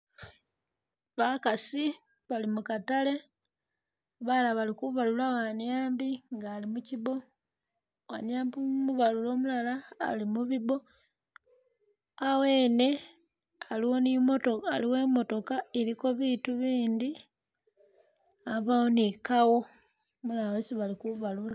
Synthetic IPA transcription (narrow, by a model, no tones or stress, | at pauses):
βakasi | βalimukatale̞ | βalaβalikuβalulawaɲjaːmbiŋɡaːlimuciβo̞ | waɲaːmbumuβalulo̞ːmulala̰ːlimuβiβo̞ | awe̞ːne̞ | aliwo̞nimotoaliwe̞ːmo̞to̞kaeɾiko̞βiːtuβiːnd̪i | aβawonikawo̞ | mulalawesiβalikuβalula